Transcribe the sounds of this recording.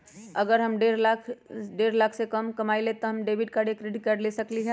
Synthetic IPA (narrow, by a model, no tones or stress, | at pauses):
ɐɡəɾɦɐmɖeɾlakʰɖeːɾlaːkʰsekɐmkɐmaːilet̪oɦɐmɖeːʋɪɖkaɽekɾeɖɪʈkaɖlesɐkliɦɛ̃